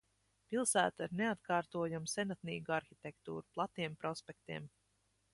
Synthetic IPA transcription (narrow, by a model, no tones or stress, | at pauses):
pilˠsæːt̪aiɾneat̪kʰɑːɾt̪uɔjumsɛnat̪niːɡuaɾxit̪ʲekt̪ṵːɾuplˠat̪iɛmpɾɔspʲek̚t̪iɛm